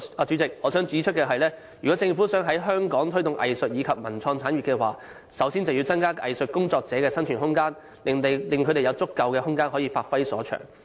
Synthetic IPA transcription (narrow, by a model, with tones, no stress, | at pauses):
aː˨˧t͡ʃyː˨˥t͡sɪ˨k̚ɔː˨˧sœː˨˥ŋt͡syː˨˥t͡ʃʰɵ˥t̚kɛː˧ɦɐ˨jlɛː˥ | jyː˨˩kɔː˨˥t͡sɪ˧ŋfuː˨˥sœː˨˥ŋɦɐ˨˥jɦœː˥ŋkɔː˨˥ŋt̪ʰɵ˥ɥt̪ʊ˨ŋʔɐ̰˨jsɵ˨t̚jiː˨˧kʰɐ˨p̚mɐ˨˩nt͡sʰɔː˧ŋt͡sʰaː˨˥nɥyː˨˩kɛː˧wa̰ː˨˩ | sɐ˨˧wsi˥nt͡sɐ˨wji˧wt͡sɐ˥nkaː˥ʔɐ̰˨jsɵ˨t̚kʊ˥ŋt͡sɔː˧k̚t͡sɛː˨˥kɛː˧sɐ˥nt͡ʃʰyː˨˩nhʊ˥ŋkaː˥n | lɪ˨ŋt̪e˨jlɪ˨ŋkʰɵ˨˧˥ɾe˨jɐ˨˧wt͡sʊ˥kːɐ˨˧wkɛː˧hʊ˥ŋkaː˥nɦɔː˨˥jiː˧faː˧t̚fɐ˥jsɔ̰ː˨˥t͡ʃʰœ̰ː˨˩ŋ